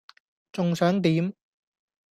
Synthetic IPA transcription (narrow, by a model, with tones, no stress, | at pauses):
t͡sʊ˨ŋsœː˨˥ŋt̪iː˨˥m